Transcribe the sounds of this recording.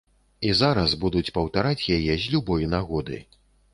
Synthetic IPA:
izaɾɐzbud̪ut͡sʲpɐwt̪aɾat͡sʲjajɛzʲlʲubɔjnaɣɔd̪ɨ̰

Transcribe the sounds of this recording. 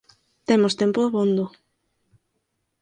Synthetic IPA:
t̪emost̪empʊðaβond̪ʊ

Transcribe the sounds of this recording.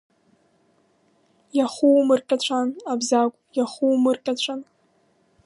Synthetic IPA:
jaχuwmɨrkʲʼat͡ɕʷʰanabzakʷʼjaχumɨrkʲʼat͡ɕʷʰan

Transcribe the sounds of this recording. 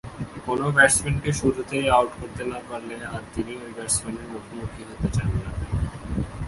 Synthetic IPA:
konobɛsmeɳʈʈeʃuɾut̪ejawʈkoɾt̪enakoɾlenaɾt̪iniojbɛɾsmeɳʈeɾmokʰimukʰiɦot̪et͡ɕanna

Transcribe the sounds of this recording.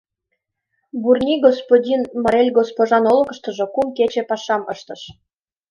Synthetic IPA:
burnʲiɡospodʲinmɑɾelʲɡospoʒɑnolɤ̆kə̆ʃt̪ə̆ʒŏkumket͡ɕepɑʃɑmɤ̰ʃt̪ɤ̆ʃ

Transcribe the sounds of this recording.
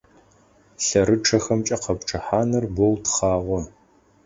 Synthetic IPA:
ɬɐɾɨʈ͡ʂʰɐxɐmt͡ʃʼɐqɐpʈ͡ʂʰʼɨħaːnɐrbowtχɑːʁʷɔ

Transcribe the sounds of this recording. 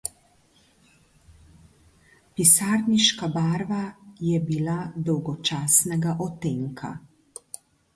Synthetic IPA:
pisaːɾniʃkabaːɾʋajɛbilad̪ɔwɡɔt͡ʃaːsnɛɡaʔɔt̪eŋkʰa̰

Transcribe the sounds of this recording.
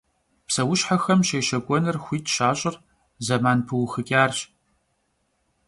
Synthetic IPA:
psɐwʊʃħaxɐmʃeːʃɐkʷʼɔnɨrxʷiːtʰʼʃaːɕʼɪr | zɐmaːnpʰɨwxɨkʲʼaːrɕ

